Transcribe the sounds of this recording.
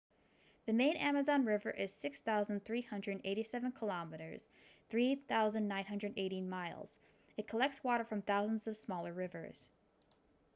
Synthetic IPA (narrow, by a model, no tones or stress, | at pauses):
ðɨmẽɪ̃nʔæməzɑ̃nɹɪvə˞ʔɪz̥sɪksθaʊzə̃n̩θɹihʌ̃ndɹɨd̃neɪɾisɛvə̃nkʰəlɑmɨɾə̰˞z̥θɹiθaʊzɨ̃nːãɪ̃nɦʌ̃ndɹɨd̃neɪɾĩnmaɪlˠz̥ | ɨt̚kʰəlɛk̚tswɔɾə˞fɹʌ̃mθaʊz̃n̩zʌv̥smɔlˠə˞ɹɪvə̰˞z̥